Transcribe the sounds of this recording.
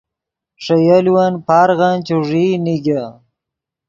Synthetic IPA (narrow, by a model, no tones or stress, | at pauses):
ʂɐjaliwanpaːɾɣant͡ɕuʐiniɡa